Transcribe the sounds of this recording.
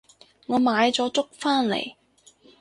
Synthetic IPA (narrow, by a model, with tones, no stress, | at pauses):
ŋɔː˨˧maː˨˧jt͡sɔː˨˥t͡sʊ˥k̚faː˥nlḛ˨˩j